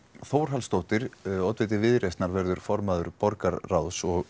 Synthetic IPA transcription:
θoːwɾ̥ɦalst̪owht̪ɪɾɔt̪vɪt̪ɪvɪðɾejst̪naɾvɛɾðʏɾ̥fɔɾmaðʏɾpɔɾkaɾːawsɔɣ

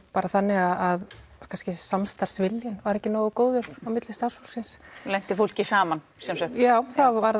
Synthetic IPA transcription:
paːɾaθanːɪɣaðaðkʰanscɪsamst̪aɾ̥svɪljɪnvaɾɛhcɪnɔːɣʏkoːwðʏɾ̥awmɪt̪lɪ̥st̪aɾ̥shulsɪnslɛjn̥t̪ɪfowl̥cɪsaːmansɛmsɛjaːwθavaɾ

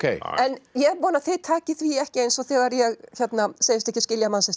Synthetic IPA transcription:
kʰḛjɛnjɛɣpɔːnaθɪðt̪ʰaːcɪθviɛhcɪejnsɔθɛɣaɾjɛɣçɛt̪naseːjɪst̪ɛhcɪscɪljamasɛst̪

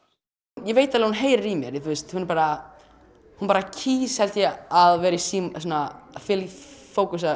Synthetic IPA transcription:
jɛveːjt̪alɛɾhunɦeːjɾaɾimjɛ̰ɾθuɪjst̪hunɛɾpaːɾa | hunpaɾacʰiːshɛlt̪jɛaðvɛːɾisiːmsɔːnafɪlfoːwkus̬a

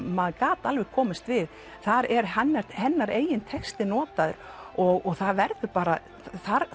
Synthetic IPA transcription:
maðkaːt̪alvɛxkʰɔːmɪst̪vɪð | θaɾɛɾɦanːaɾhɛnːaɾeːjɪnt̪ʰɛkst̪ɪnɔːt̪aðʏ̰ɾ̥ | ɔɣɔɣθaðvɛɾðʏpaːɾa | θaɾ

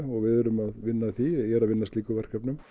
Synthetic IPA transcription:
ɔɣvɪðʏɾʏmaðvɪnːaθijɛːɾavɪnːast̪liːkœvɛr̥kapnʏm

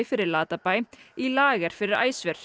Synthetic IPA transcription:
ɪfɪɾɪɾlaːt̪apajilaːɣaɾ̥fɪɾɪɾa̰ːjsvɛɾ̥

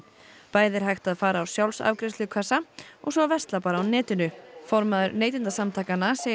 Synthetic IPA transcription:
paːjðɪɾ̥ɦajxt̪aðfaːɾaːwsjawlsa̰vkɾɪst̪lɪʏkʰasaɔɣsɔvɛst̪lapaːɾaawnɛːt̪ɪnʏfɔɾmaðʏɾneːjt̪ɪnt̪asamt̪ʰaːkanase

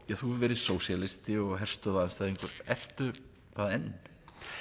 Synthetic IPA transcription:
jaθuɛvɛːɾɪðsoːwsjalɪst̪ɪɔɣɦɛr̥st̪œðaanst̪aːjðiŋkʏɾɛr̥t̪ʏ | θaðɛnː

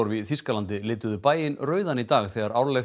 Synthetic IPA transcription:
ɔwɾviθiskalant̪ɪlɪːt̪ʏðʏpaːjɪnɾœːɥðanit̪aːɣθɛːɣaɾaːwɾlɛ

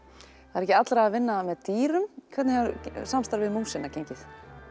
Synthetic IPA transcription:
θaaɾɛcɪat̪lɾaavɪnːamɛðt̪iːɾʏmkʰvɛt̪nɪhaɾsamst̪aɾvɪðmumsɪnacejɲcɪθ

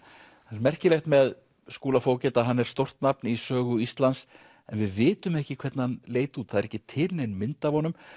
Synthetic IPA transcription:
anɛɾmɛr̥cɪlɛxt̪mɛð | skuːlafoːwcɛːt̪aɦanːɛɾ̥st̪owr̥t̪napnisœːɣʏist̪lans | ɛnvɪðvɪːt̪ʏmɛhcɪkʰv̥ɛɾt̪nanleːjt̪uːt̪θaðɛɾɛhcːɪt̪ʰɪlnejnmɪnt̪avhɔnʏm

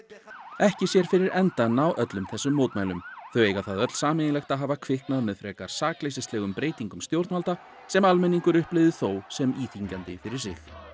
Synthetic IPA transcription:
ɛhcɪsjɛɾ̥fɪɾɪɾɛnt̪anːawʔœt̪lʏmθɛsːʏmːoːwt̪majlʏmθœɥeːjɣaθaðœt̪l̥saːmɪnɪlɛxt̪aɦaːvakʰvɪhknaðmɛðfɾɛːkaɾ̥saːklejsɪst̪lɛːɣʏmpɾeːjt̪iŋkʏmst̪jowɾt̪malt̪a | sɛmalmɛnːiŋkʏɾʏhplɪvðɪθowsɛmiːθiɲcant̪ɪfɪɾɪɾ̥sɪx

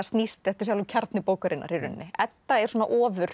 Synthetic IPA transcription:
st̪nist̪ɛht̪ɪ̥s̬awlʏcʰaɾt̪nɪpoːwkaɾɪnʔa̰ɾiɾʏnːɪɛt̪ːaɛɾ̥swoːna̰ʔɔːvʏɾ̥

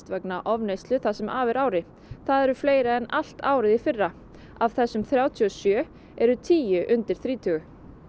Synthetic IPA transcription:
t̪vɛknaʔɔvnejst̪lʏθasɛmʔaːvɛɾaːwɾɪ | θaðɛɾʏfleːjɾaɛnal̥t̪aːwɾɪðifɪrːa | av̥θɛsːʏmθɾjaːwt̪ʰiɔsjœː | ɛɾʏt̪ʰiːjʏʔʏnt̪ɪɾ̥θɾiːt̪ʰʏɣʏ

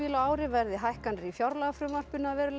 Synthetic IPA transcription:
ɪːlaaːwɾɪvɛɾðɪɦajhkanɪɾifjawɾlaɣafɾʏmar̥pʏnavɛːɾʏl

